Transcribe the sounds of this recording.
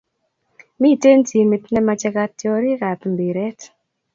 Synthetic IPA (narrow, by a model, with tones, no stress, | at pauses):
mi˦˨te˦nti˨me˨tnɛ˦ma˨t͡ʃɛ˦ka˨tːjɔ˨ɾi˦ka˨tmbe˨ɾɛ˦t